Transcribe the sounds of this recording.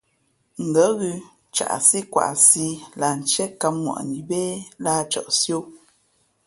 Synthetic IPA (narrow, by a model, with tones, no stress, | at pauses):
ŋ̩˨ɡə˨˦ɣʉ˦ | t͡ʃa̰˨ʔsi˦kwa̰˨ʔsi˦la˨n̩˨t͡ʃɛ˦ka˦mːwa̰˨ʔni˨be˦la˦t͡ʃɔ̰˨ʔsjo˦˨